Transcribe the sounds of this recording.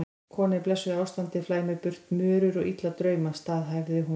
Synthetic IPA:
kʰɔːnɪplɛsʏaːwst̪ant̪ɪflaːjmɛpʏr̥t̪mœːɾʏɾɔɣit̪lat̪ɾœːɥmast̪aːðɦajvðɪɦu

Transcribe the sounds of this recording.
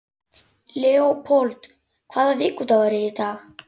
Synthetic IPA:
lɛɔpʰolt̪ | kʰvaːðavɪkːut̪avaɾɛɾit̪aːɣ

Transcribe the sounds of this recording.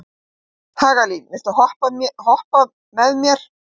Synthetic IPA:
haːɣalinvɪst̪ahɔhpahɔhpað | mɛðmjɛɾ̥

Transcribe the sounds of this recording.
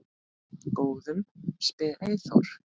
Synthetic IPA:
koːwðʏmspɛːɣejθɔ̰wɾ̥

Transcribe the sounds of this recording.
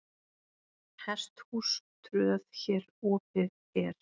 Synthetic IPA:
hɛst̪hust̪ʰɾʏːðçɛːɾɔːpɪð | ɛɾ̥

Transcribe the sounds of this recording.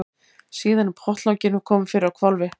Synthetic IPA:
siːðanpʰɾɔht̪lawcɪnʏkʰɔːmʏfɪɾɪɾawkʰvalvɪ

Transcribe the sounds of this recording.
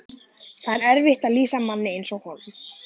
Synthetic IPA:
θaðɛɾɛɾvɪht̪aðliːsamanːɪejnsɔɣhɔɾ

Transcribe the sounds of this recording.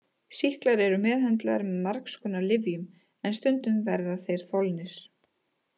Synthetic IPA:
sihklaɾɛɾʏmɛːðhɛnt̪laaɾmɛðmaɾkskʏnalɪvjʏm | ɛnst̪ʏnt̪ʏmvɛɾðaθejɾ̥θɔlnɪɾ̥

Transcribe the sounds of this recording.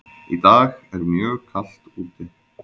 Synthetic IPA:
it̪aːɣɛɾmjœːkʰal̥t̪uːt̪ɪ

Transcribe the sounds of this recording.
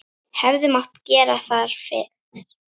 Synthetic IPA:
hɛvðɪmawt̪cɛːɾaθaðɾ̥fɪ̰ːð

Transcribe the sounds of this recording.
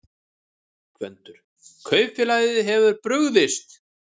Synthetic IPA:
kʰvœ̰nt̪ʏɾ̥ | kʰœːɥfɪlaːjðɪɦɛvʏɾpɾʏɣðɪst̪

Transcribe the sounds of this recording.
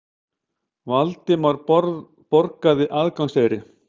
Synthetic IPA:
valt̪ɪmaɾɾ | pɔɾkaðɪʔaðkaŋseːɾɪ

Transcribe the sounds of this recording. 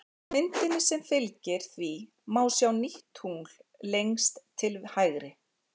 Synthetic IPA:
mɪnt̪ɪnːɪsɛmfɪlcɪɾ̥θvi | maːwsjawniht̪huŋl̥lejŋst̪ʰːɪlhaːjɣɾɪ

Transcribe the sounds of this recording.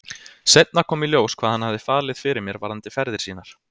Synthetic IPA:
sejt̪̚naɾkʰɔːmiljoːwskʰvaːðhanhavðɪfaːlɪðfɪɾɪɾmjɛɾvaɾant̪ɪfɛɾðɪɾ̥siːnaɾ̥

